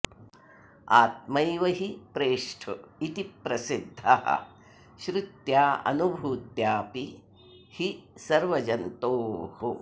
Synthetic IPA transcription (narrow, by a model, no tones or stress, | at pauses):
aːt̪̚mɐjʋɐɦipɾeːʂʈʰuit̪ipɾɐsid̪ʱːɐɦɐ̰ | ʃɾut̪jaːɐ̰nubʱuːt̪jaːpi | hisɐɾʋɐd͡ʒɐnt̪oːhu